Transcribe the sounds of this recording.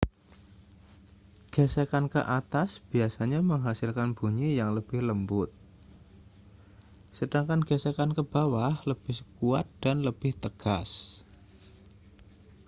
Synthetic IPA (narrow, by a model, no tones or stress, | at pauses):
ɡ̥ɛsekankə̰ʔat̪asb̥iasaɲaməŋɦasɪlkanb̥uɲijaŋləb̥ɪhləmbʊt̪̚ | səd̥aŋkanɡɛsekankəb̥awahləb̥ɪhkuat̪̚d̥anləb̥ɪht̪əɡ̥as